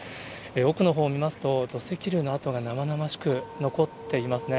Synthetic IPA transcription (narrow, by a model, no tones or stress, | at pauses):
eo̞kɯ̟no̞ɦo̞ːmʲimasɨ̥t̪o̞d̪o̞se̞kʲiɾɯ̟ːno̞at̪o̞ɡanamanamaɕi̥kɯ̟no̞ko̞t̪ːe̞imasɨne̞